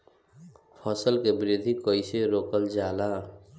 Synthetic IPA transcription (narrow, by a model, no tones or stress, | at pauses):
pʰɔːsəlkebɾɪd̪ʱikəɪseɾoːkəld͡ʒaːlaː